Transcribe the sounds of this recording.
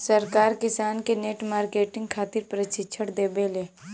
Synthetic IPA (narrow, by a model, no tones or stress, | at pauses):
səɾkaːɾkɪsaːnkeneːʈmaːɾkeːʈɪ̃ŋɡkʰaːt̪ɪɾpɾət͡ʃɪt͡ʃʰəɽd̪eːbeːleː